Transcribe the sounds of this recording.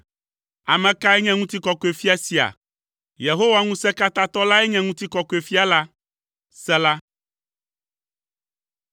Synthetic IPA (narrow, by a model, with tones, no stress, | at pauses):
a˨mɛ̃˨ka˦ɛ˦ɲɛ̃˦ŋũ˦t̪i˦kɔ˨kɔ˨˦e˨fi˦a˨si˨a̰˨ | je˨ɦo˦wa˦ŋũ˦sɛ˦ka˦t̪a˦t̪ɔ˦la˦ɛ˦ɲɛ̃˦ŋũ˦t̪i˦kɔ˨kɔ˨˦e˨fi˦a˨la˦ | sɛ˦la˦